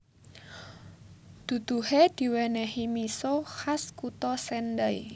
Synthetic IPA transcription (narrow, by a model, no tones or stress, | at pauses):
d̪̥ṳd̪̥ṳhed̪̥i̤wɛnɛhimisohaskut̪ɔsɛndəi